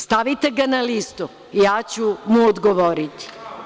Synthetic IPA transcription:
st̪aʋit̪eɡanalist̪u | jaːt͡ɕumuod̪ɡoʋoɾit̪i̥

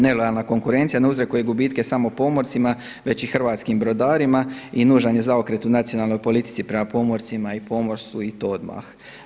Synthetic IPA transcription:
ne̞lo̞jalˠnako̞ŋkuɾe̞nt̪sijaneuzɾekuje̞ɡubit̪ke̞samo̞po̞mo̞ɾt̪sima | ʋe̞t͡ɕixr̩ʋaːt̪skimbɾo̞d̪aːɾimainuːʒaɲe̞zaokɾe̞t̪unat̪sijo̞naːlˠno̞jpo̞lit̪i̥t̪sipɾe̞mapo̞mo̞ɾt̪simaipo̞mo̞ɾst̪uit̪ood̪ma̰x

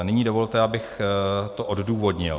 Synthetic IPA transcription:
nɪɲiːdo̞vo̞lt̪ɛabɪxt̪oʔodduːvo̞dɲɪ̰l

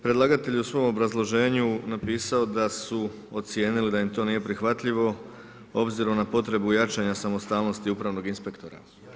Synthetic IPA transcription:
pɾelˠaɡat̪e̞ʎusʋo̞mo̞bɾazlˠo̞ʒe̞ːɲunapiːsaod̪asu | o̞t̪sje̞ːnilid̪ajimt̪o̞niːje̞pɾixʋat̪ʎiʋo̞ | o̞bziɾo̞mnapo̞t̪ɾe̞bujat͡ʃaɲasamo̞st̪aːlno̞st̪iupɾaʋno̞ɡinspe̞kt̪o̞ɾa̰

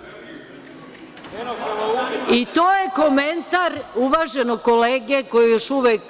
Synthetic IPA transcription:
it̪oːjeko̞ment̪aɾuʋaːʒenokoleːɡeko̞jejoʃuʋek

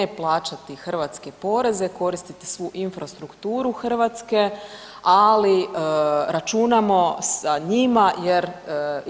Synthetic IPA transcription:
eplˠaːt͡ʃat̪ixr̩ʋat̪ske̞po̞ɾe̞ze̞ko̞ɾist̪it̪i̥sʋuʔinfɾast̪ɾukt̪uːɾuxr̩ʋat̪ske̞ | ali | ɾat͡ʃunamo̞saɲimajeɾ

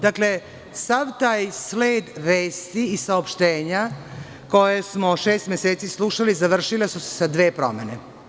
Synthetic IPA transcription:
d̪akle̞ | saʋt̪aːjsle̞ːd̪ʋeːst̪iːsaopʃt̪eːɲa | ko̞jesmoʃe̞ːst̪mʲjeseːt̪sislˠuʃalizaʋr̩ʃilesuse̥sad̪ʋe̞ːpɾo̞̰me̞ne

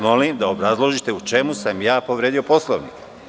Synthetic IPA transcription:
mo̞limd̪ao̞bɾazlˠo̞ʒit̪e̞ut͡ʃe̞musamjaːpo̞ʋɾeːd̪io̞po̞slˠoʋnḭke

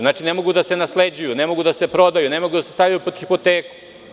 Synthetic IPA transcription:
znaːt͡ʂinemo̞ɡud̪ase̞nasled͡ʑujune̞mo̞ɡud̪ase̞pɾo̞d̪ajune̞mo̞ɡud̪asest̪ajujupod̪xipo̞t̪eːku̥

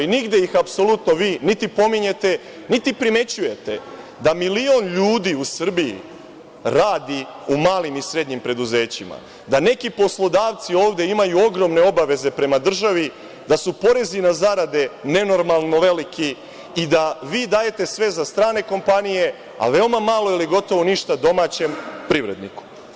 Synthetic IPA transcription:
iniɡd̪jejixapso̞lut̪no̞ʋiːnit̪ipo̞miɲe̞t̪e̞ | nit̪ipɾime̞t͡ɕuje̞t̪e̞ | d̪amilio̞nʎuːd̪iusr̩bijḭ | ɾaːd̪i | umaːlimisɾe̞d̪ɲimpɾe̞d̪uze̞ːt͡ɕima̰ | d̪ane̞kipo̞slˠo̞d̪aːʋt̪sio̞ːʋd̪e̞imajuo̞ɡɾo̞mne̞o̞baʋe̞ze̞pɾe̞mad̪r̩ʒaʋi | d̪asupo̞ɾe̞zinazaɾad̪e̞ne̞no̞ɾmalˠno̞ʋe̞likʰi | id̪aʋiːd̪aːje̞t̪e̞sʋe̞zast̪ɾaːne̞ko̞mpanije̞ | a̰ʋe̞omamaːlˠo̞iliɡo̞t̪o̞ʋo̞niʃt̪ad̪o̞maːt͡ɕe̞mpɾiʋɾe̞̰d̪nḭku̥

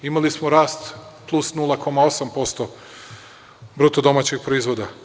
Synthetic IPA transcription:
imalismoɾaːst̪plˠusnulˠako̞mao̞sampo̞st̪o | bɾut̪od̪o̞mat͡ɕixpɾoizʋo̞d̪a

